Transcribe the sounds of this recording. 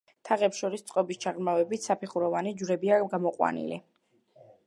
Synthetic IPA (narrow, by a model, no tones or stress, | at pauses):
t̪ʰaʁɛpsʃɔɾist̪sʼqʼɔbist͡ʃʰaʁɾmavɛbit̪ʰsapʰiχuɾɔvanid͡ʒɾɛbiaɡamɔqʼwa̰nḭlḭ